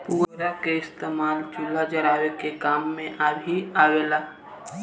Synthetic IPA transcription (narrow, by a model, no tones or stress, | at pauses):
puːɾakeɪst̪eːmaːld͡ʒulːad͡ʒəɾaːwekekaːmːẽʔabʱiaːweːlaː